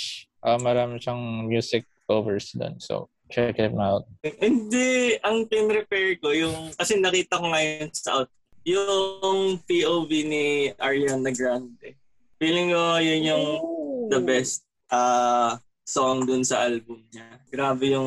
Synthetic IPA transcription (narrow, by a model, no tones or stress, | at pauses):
ʔamɐɾaːmɪʃɐŋmjuːsɪk̚ʔoːvɛɹsd̪o̰nso̰ | t͡ʃɛkɪt̪̚maʊt̪̚ʔɪnd̪ɛʔɐŋpɪmɾɛpɛɹko̞jʊŋkɐsɛnɐkiːt̪ɐkoŋɐjonsɐʔawt̪̚ | jʊŋpiʔoːviniʔɐɹijanːɐɡɾand̪ɛ | fiːlɪŋkojʊnjʊŋd̪ɐbɛst̪̚ʔɐː | soŋd̪ʊnsɐʔɐlbʊmɲaɡ̥ɾaːbɛjʊŋ